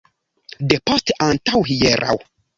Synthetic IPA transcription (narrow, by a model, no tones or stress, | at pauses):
depastʔantawɦijɛɾʔa̰w